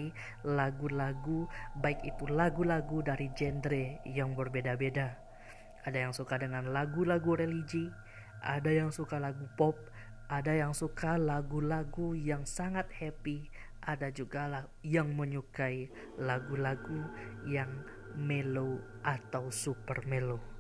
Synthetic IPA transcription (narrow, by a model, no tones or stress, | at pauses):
i | laɡulaɡubaikit̪ulaɡulaɡudaɾid͡ʒɛndɾejaŋbərbedabeda | ʔadajaŋsukadəŋanlaɡulaɡuɾelid͡ʒi | ʔa̰dajaŋsukalaɡupɔp̚ | ʔadajaŋsukalaɡulaɡujaŋsaŋat̪̚hɛpi | ʔadad͡ʒuɡal | jaŋməɲukai | laɡulaɡujaŋ | melo | ʔat̪ausupərmelo